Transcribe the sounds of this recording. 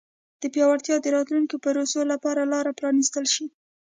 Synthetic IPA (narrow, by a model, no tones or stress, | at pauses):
d̪̥əpjɑwaɾt̪jɑd̪əɾɑt̪luŋkipaɾosolapɑɾalɑɾapɾɑnist̪əlʃi